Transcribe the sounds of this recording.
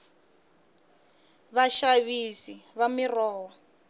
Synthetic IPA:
βaʃaβisiβamirɔːwɔ

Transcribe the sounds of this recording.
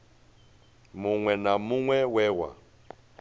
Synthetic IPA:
muŋwɛnamuŋwɛwɛːwa̰

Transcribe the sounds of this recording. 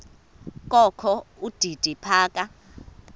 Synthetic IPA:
kʼɔkʰɔud̥ʱid̥ʱipʰaːkʼa

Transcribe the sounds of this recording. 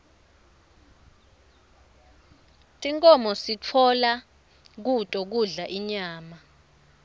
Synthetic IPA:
tʼiŋkʼɔmɔsit͡fʰɔla | k̬utʼɔk̬uɮaʔiɲaːma

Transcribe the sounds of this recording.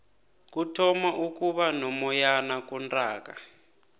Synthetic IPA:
kutʰɔmaʔukuɓanɔmɔjanakundaːka

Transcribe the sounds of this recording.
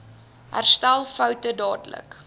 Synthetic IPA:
ɦæ̰rstælˠfœwtədɑːdlə̰k

